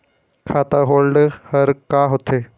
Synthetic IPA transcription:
kʰat̪aɦolɖhəɾkaɦot̪e

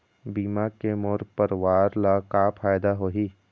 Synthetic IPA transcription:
biːmakemoɾpəɾwaːɾlakapʰaːjd̪aɦoːɦiː

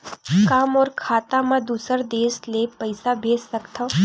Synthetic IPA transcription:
kaːmɔːɾkʰaːt̪amãd̪uːsəɾd̪eːslepɐɪsabʱeːssɐkt̪ʰa

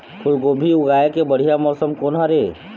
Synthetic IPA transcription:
kʰʊlɡoːbʱiʊɡaːekebəɽ̤ijamɔːsəmkonɦaɾe

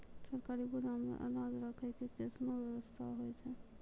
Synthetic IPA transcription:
səɾkaɾiɡulamḛʔə̰ɾad͡ʒɾəkʰɛkekesnobjɛwəst̪ʰaɦoɛt͡ʃʰɛ

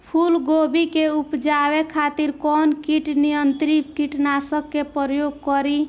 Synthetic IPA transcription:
pʰulɡobikeupd͡ʒabekʰat̪iɾkɔnkiʈnijənt̪ɾikiʈnasəkːepɾjoɡ̚kɔɾi

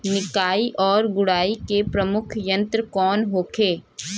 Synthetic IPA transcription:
nɪkaːiʔɔːɾɡʊɽaːikepɾɐmʊkʰjə̃nt̪ɾəkɔːnɦoːkʰeː

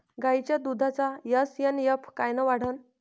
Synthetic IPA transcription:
ɡajt͡ɕjad̪ud̪ʱat͡sajəsjənjəpʰkajnəʋaɽ̤ən

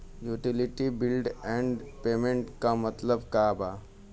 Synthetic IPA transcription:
juːʈɪlɪʈibɪlɖɛ̃ːɳɖpeːmẽɳʈkamɐt̪ləbkaːbaː

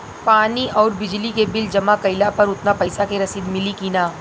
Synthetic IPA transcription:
paːniʔɔːɾbɪd͡ʒlikebɪld͡ʒɐmakɐɪlapɐɾʊt̪napɐɪsakeɾɐsid̪mɪlikiːnaː

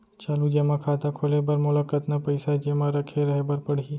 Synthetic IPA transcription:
t͡ʃaːlud͡ʒemãkʰaːt̪akʰolebɐɾmʊləkːət̪napɐɪsad͡ʒeːmãɾɐkʰeɾɐɦebɐɾpəɽ̤i

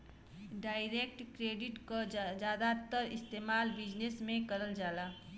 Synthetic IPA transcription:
ɖaːɪɾekʈkɾeːɖɪʈkod͡ʒjaːd̪at̪ːəɾɪst̪eːmaːlbɪd͡ʒnesmẽkəɾəld͡ʒaːlaː

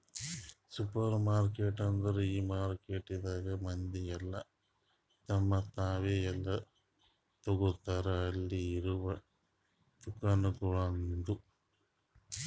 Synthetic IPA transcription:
supɐɾmaːɾkeːʈɐnd̪ɐɾuiːmaːɾkeːʈːid̪aːɡɐmɐnd̪iɛlːɐ | t̪ɐmːɐt̪aːʋeːɛlːɐ | t̪oɡut̪ːaːɾɐɐɭːiːɾuʋɐ | t͡ʃukːanukuɭɐnd̪u

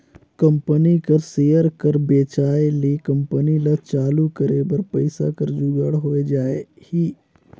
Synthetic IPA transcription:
kɐ̃mpənikɐɾseːjəɾkɐɾbeːt͡ʃaːeleːkɐ̃mpənilat͡ʃaːlukəɾebɐɾpɐɪsa̰kɐɾd͡ʒuːɡəɽɦoːed͡ʒaːehiː

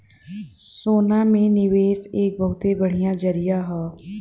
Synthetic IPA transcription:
soːnamẽnɪʋeːseːk̚bəɦʊt̪ebəɽ̤ijãd͡ʒəɾijaɦɛː

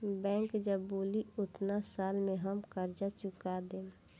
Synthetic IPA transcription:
bɛ̃ːŋkd͡ʒəbuːliʊt̪nasaːlmẽɦəmkəɾd͡ʒat͡ʃʊkad̪ẽː

